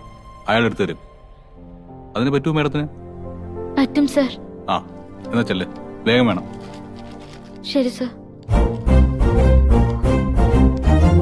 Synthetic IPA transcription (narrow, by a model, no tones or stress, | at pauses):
ɐjaːɭeɽut̪ːuʋɐɾum | ɐðinɨpɐtːuʋumːeːɽɐt̪ːinɨ | pɐtːumsɐːraːenːaːt͡ɕːelːeʋe̞ːɡɐmʋeːɳɐm | ɕɐɾisɐːɾ